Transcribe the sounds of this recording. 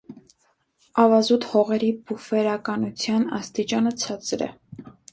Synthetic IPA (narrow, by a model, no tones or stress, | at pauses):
ɑvɑzut̪hɔʁɛɾibufɛɾɑkɑnut͡sʰjɑnɑ̰st̪it͡ʃɑnət͡sʰɑt͡sɾɛ̰